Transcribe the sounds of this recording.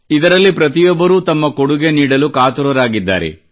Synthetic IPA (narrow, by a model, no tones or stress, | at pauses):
id̪ɐɾɐlːipɾɐt̪̬ijɔbːɐɾuːt̪ɐmːɐkoɽuɡeniːɽɐlukaːt̪uɾɐɾaːɡid̪ːa̰ːɾḛ